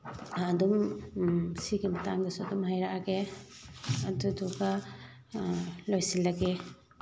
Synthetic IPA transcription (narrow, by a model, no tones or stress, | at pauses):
ɐdum | siɡimɐtaŋdɐsuɐdumɦajɾaʔaɡe | ɐdudɔka | lojsilːaɡe